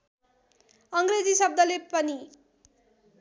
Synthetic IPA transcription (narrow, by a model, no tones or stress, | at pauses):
ʌŋɡred͡zisʌb̚d̪ʌlepʌni